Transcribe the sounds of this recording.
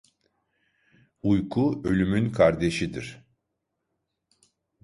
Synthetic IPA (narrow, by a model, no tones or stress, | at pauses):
ujkʰuø̞lʲymynkʰaɾd̪e̞ʃid̪iɾ̥